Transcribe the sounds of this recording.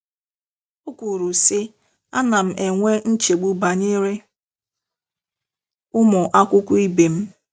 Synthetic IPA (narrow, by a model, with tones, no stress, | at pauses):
ʊ˦kʷu˨ɾu˨sɪ˦ | a˦na˨m̩˦ʔe˨ŋʷe˦n̩˦t͡ʃe˨ɡ͡bu˦ba˨ɲe˦ɾe˦ | ʊ˦mʊ˨ʔa˦kʷʊ˦kʷʊ˦i˦be˨m̩˦